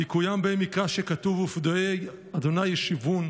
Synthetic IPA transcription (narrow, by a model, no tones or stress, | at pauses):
ikujambemikaʃekat̪uvufd̪oe | ad̪onajeʃivun